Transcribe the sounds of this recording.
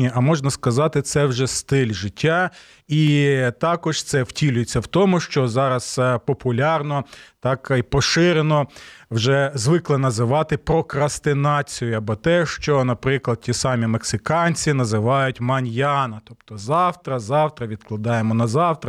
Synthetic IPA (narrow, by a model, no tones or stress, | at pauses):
iɐmɔʒnɐskɐzɑt̪ɪt̪sɛwʒɛst̪ɪlʲʒɪtʲːa | it̪ɑkɔʒ̥t̪sɛwtʲilʲʊjet͡sʲːɐwt̪ɔmʊʃt͡ʃɔzɑɾɐspɔpʊlʲɑrnɔt̪ɑkipɔʃɪɾenɔwʒɛzʋɪklˠɛnɐzɪʋɑt̪ɪpɾɔkɾɐst̪ɪnɑt͡sʲijʊɐbɔt̪ɛʃt͡ʃɔnɐpɾɪklˠɐd̪̥̚tʲisɑmʲimeksɪkɑnʲt͡sʲinɐzɪʋɑjʊtʲmɐnʲjɑnɐt̪ɔpt̪ɔzɑwt̪ɾɐzɑwt̪ɾɐʋʲid̪klˠɐd̪ɑjemɔnɐzɑwt̪ɾɐ